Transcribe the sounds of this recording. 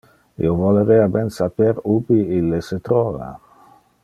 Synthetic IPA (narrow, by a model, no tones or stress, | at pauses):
ḭovoleɾɛabɛnsapeɾubiilːeset̪ɾɔːva̰